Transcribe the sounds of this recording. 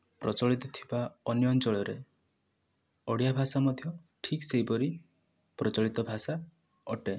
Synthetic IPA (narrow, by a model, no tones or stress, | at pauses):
pɾɔt͡ʃɔɭit̪ɔt̪ʰi̥baɔnjɔnt͡ʃɔɭɔɾe | ɔɽjabʱasamɔd̪ʱjɔ | ʈʰiksejpɔɾi | pɾɔt͡ʃɔɭit̪ɔbʱasa | ɔʈe